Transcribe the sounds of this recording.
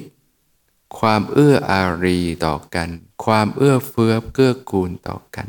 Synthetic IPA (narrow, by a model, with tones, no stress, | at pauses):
kʰwaː˧mʔɯ˥˩ɐʔaː˧ɾiː˧t̪ɔ̰ː˨˩ka˧nkʰwaː˧mʔɯ˥˩ɐfɯ˦˥əp̚kɯ˥˩ɐkuː˧nt̪ɔ̰ː˨˩ka̰˧n